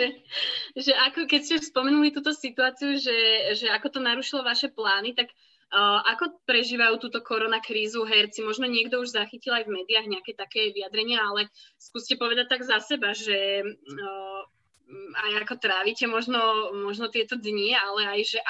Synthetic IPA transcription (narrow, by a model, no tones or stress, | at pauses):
ʒɛʔakɔkɛcscɛspɔmɛnulit̪uːt̪ɔsit̪uaːt͡siuʒɛʒɛakɔt̪ɔnaɾuʃilɔʋaʃɛplaːnit̪akː | ʔakɔpɾɛʒiːʋajuːt̪uːt̪ɔkɔɾɔnakɾiːzuɦɛɾt͡simɔʒnɔɲɪɛɡd̪ɔuʒzaxicilajvmɛːd̪iaɣɲɛakɛt̪akɛːʋiad̪ɾɛɲɪaalɛskuːscɛpɔʋɛd̪ac̚t̪ːaɡzasɛbaʒɛ | ajakɔt̪ɾaːʋicɛmɔʒnɔmɔʒnɔt̪ɪɛt̪ɔd̪ɲialɛajʒɛʔ